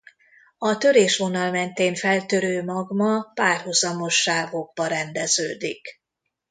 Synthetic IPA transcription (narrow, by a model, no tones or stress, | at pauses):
ɒt̪ø̞ɾeːʃʋo̞nɒlmɛnt̪eːnfɛlt̪øɾøːmɒɡmɒpaːrhuzɒmo̞ʃːaːvo̞ɡ̚bɒɾɛnd̪ɛzø̰ːd̪ik